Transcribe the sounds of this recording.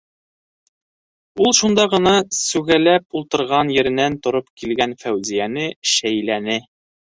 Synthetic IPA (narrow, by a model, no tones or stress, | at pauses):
ulˠʃund̪ɑʁɤ̆nɑsʉɡælæpulˠt̪ɤ̆ɾʁɑnjɘ̆ɾɘ̆nænt̪ŏɾopkilɡænfæwzijænɘʃæjlænɘ